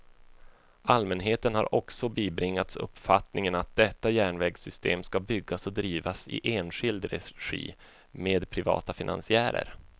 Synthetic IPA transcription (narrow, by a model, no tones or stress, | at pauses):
almɛnɦeːt̪ənhaɾʔɔksɔbiːbɾɪŋːat̪sɵ̰pːfat̪nɪŋənat̪̚d̪ɛt̪ːajæːɳvɛːɡsʏst̪eːmskabʏɡːasɔd̪ɾiːvasɪ̰ʔeːnɧɪld̪ɾɛ̰ɧḭː | meːd̪pʰɾɪvɑ̰ːt̪afɪnʔa̰nsɪæːɾə̰ɾ